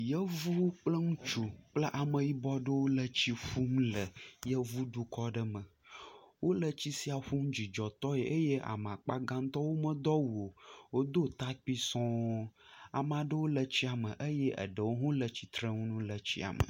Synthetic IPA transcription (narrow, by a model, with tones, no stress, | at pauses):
jə˦vu˦k͡plə˦ŋũ˦t͡ʃu˨k͡plə˦ʔa˨mə̃˨ji˦bɔ˦ɖə˦wo˦lə˦t͡ɕi˦ɸu˦mlə˨jə˦vu˦ɖu˦kɔ˦ɖə˦mə̃˨wo˦lə˦t͡ɕi˦si˦a˨ɸu˦md͡ʑi˨d͡ʒɔ˨t̪ɔ˦e˨ʔə˦je˦ʔa̰˨m˨a˨k͡pa˦ɡã˦ŋ˦t̪ɔ˦wo˦mə̃˦d̪ɔ˦wu˨o˨wo˦d̪o˦t̪a˦k͡pi˦sɔ̃˦ | a̰˨m˦ã˨ɖə˦wo˦lə˨t͡ɕi˦a˨mə˨ʔə˦je˦ʔə̰˨ɖə˨wo˦ɦõ˦lə˨t͡ɕi˨t̪ɾə˦ŋũ˦nũ˦lə˨t͡ɕḭ˦a̰˨mə̰˨